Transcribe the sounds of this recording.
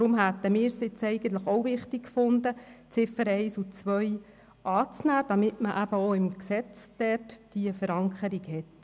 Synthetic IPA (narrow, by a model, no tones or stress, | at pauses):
tɾʊmɦæt̪əmɪːɾsɪt͡sɛɪɡənt̪ləχowvɪχt̪ɪkkfʊnd̪ət͡sɪfəɾɛɪsut͡sʋœj | ʔɑːt͡snæːd̪̥ɑmɪtməʔæbəoɪmksɛt͡sd̪̥ɛrtd̥iəfəɾɑŋkχəɾiɡhɛt̪